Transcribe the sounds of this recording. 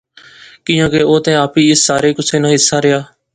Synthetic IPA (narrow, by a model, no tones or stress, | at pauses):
kĩːãːkeːoːt̪ẽːaːpiːɪsːaːɾeːkʊsʰeːnãːɦɪsːaːɾɪjaː